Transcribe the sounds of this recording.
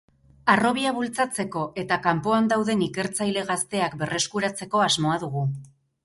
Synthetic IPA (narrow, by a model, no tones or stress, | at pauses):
aro̞βiaβult͡sat͡se̞ko̞ʔe̞t̪akampo̞and̪awðe̞nike̞ɾt͡sajle̞ɣast̪e̞akbe̞re̞skuɾat͡se̞ko̞azmo̞aðuɣu